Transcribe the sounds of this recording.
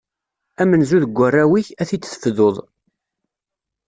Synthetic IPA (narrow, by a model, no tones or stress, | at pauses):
æmənzuðəɡʷːərːæwiçæθit͡sːθə̥fðoðˤ